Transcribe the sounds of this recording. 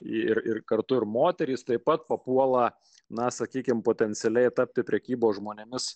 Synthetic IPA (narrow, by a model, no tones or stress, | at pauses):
ɪɪɾɪrkɐrt̪ʊɪɾmoːt̪ʲɛɾʲiːst̪ɐɪpɐt̪pɐpuɔlˠɐ | nɐsɐkʲiːkʲɪmpoːt̪ʲɛnʲsʲɛlʲɛɪt̪ɐp̚ʲt̪ʲɪpʲɾʲɛkʲiːboːsʒmoːnʲɛmʲɪs